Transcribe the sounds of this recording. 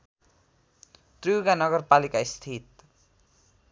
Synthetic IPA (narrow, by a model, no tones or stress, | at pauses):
t̪rijuɡanʌɡʌrpalikaist̪ʰit̪̚